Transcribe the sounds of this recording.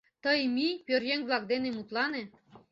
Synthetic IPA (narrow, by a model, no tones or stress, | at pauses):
t̪ɤjmipʲøɾjeŋβlˠɑkd̪enemut̪lɑne